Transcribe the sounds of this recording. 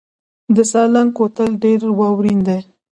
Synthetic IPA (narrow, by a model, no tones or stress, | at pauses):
d̪əsɑlaŋkot̪əlɖeɾwɑwɾind̪aj